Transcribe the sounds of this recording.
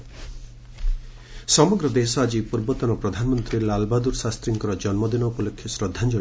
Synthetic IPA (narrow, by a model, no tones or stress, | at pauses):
sɔmɔɡɾɔd̪esɔad͡ʒipuɾbɔt̪ɔnɔpɾɔd̪ʱanmɔnt̪ɾilalbad̪uɾsast̪ɾiŋkɔɾɔd͡ʒɔnmɔd̪inɔupɔlokʰːjɔsɾɔd̪ʱːand͡ʒɔ